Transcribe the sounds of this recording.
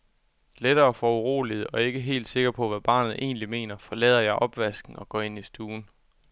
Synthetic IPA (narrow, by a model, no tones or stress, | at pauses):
leɾ̥ɐːfɒuʁo̝̰ːlið̩ˠɒ̽e̝ɡ̥əɦe̝̰ːld̥se̝ɡ̥ɐpʰɒ̽ʋæb̥ɑ̰̈ːnð̩ˠʔe̝̰ːnlime̝̰ːnɐfɒ̽lɛ̰ːð̞̰ˠɐjɑ̈ɪʔɒ̽b̥ʋæsɡ̥n̩ɒ̽ɡ̥ɒ̰ːe̝nisd̥uːn̩